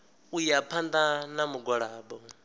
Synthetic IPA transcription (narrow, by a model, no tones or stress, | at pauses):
ujapʰand̪anamuɡɔɺaːbɔ